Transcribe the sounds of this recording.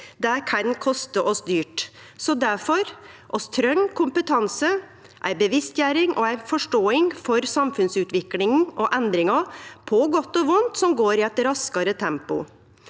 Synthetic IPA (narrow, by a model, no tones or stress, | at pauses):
d̪ækʰɑnkʰɔst̪əʔɔsd̪yːʈ | sɔd̪æɾfɔɾʔɔst̪ʰɾœŋkʰʊmpət̪ʰɑnsə | ʔæ̰ɪbəʋɪst̪jæːɾɪŋʔɔæɪfɔʂʈoːɪŋfɔɾsɑmfʉnsʉːt̪ʋɪklɪŋn̩ʔɔʔɛnd̪ɾɪŋɑpʰɔɡɔt̪ːɔʋʊnt̪sɔmɡoːɾɪɛt̪ɾɑskɑɾət̪ʰɛmpʊ̰